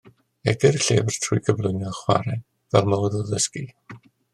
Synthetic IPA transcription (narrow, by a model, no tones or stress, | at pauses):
ɛ̰ɡɪrɬeːvr̥tʰʊjɡəvlˠʊnaχwa̰ɾɛ | vɛlˠmawəðəðəski